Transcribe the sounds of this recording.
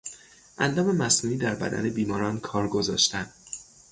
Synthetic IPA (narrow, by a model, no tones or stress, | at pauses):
ʔænd̪ɒːme̞mæsnuːniːd̪æɾbæ̰d̪æ̰ne̞biːmɒːɾɒːnkʰɒːɾɡo̞zɒ̰ːʃt̪ænd̪̥